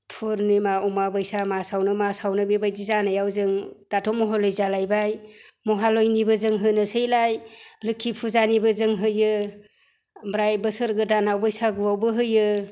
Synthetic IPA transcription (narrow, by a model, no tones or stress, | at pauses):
pʰuɾnimaumabɯjsamasawnɯmasawnɯbebajdizanɯjawzɯŋd̥atʰɔmɔɦɔlɔjzalajbajmɔɦalojnibɯzɯŋɦɯnɯsejlajlɯkʰːipʰuzanibɯzɯŋɦɯjɯ | bɾajbɯsɯɾɡɯdanawbɯjsaɡuwawbɯɦɯjɯ